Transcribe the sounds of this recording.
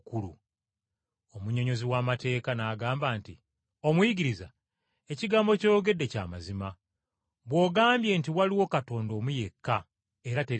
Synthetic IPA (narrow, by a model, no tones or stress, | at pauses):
kulṵ | o̞muɲo̞ɲo̞ziwaːmate̞ːkanaːɡaːmbaːnti | o̞mwiɡiɾiza̰ | e̞ciɡaːmbo̞cojoɡe̞dːe̞ca̰ːmazima | βwo̞ːɡaːmbje̞ːntiwaliwo̞kato̞ːndo̞ːmuje̞kːa | e̞ɾate̞